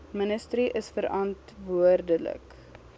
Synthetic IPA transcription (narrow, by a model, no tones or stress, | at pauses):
mənəstəɾiʔəsfəɾɐntvuərdələ̰k